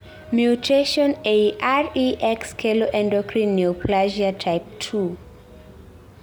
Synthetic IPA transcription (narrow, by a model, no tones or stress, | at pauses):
mjutʰeʃɔ̃neʔaɹiʔɛkskʰeloʔɛ̃ndɔkʰɹĩnːiopʰlaʒiatʰajp̚tʰu